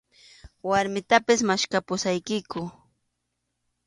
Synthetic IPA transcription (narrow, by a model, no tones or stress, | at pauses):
waɾmɪt̪apɪsmaʃkapʊsajkɪkʊ